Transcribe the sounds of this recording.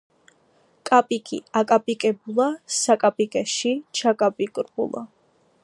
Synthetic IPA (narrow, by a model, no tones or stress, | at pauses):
kʼapʼikʰʼḭakʼapʼikʼɛbulˠasakʼapʼikʼɛʃit͡ʃʰakʼapʼikʼɾbṵlˠa̰